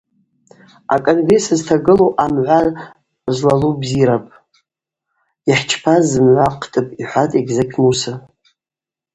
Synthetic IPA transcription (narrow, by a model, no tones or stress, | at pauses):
akʼo̞nɡre̞sɨztʰaɡɨlowʔamʕʷar | zlalubziɾapʼ | iħt͡ʃʰpʰazɨmʕʷaqʰtʼɨpʼiħʷatʼeɡzakʲʼʰmusa